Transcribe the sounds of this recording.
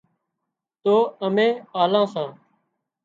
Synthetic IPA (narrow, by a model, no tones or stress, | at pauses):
t̪oːəmẽːaːlãːsãː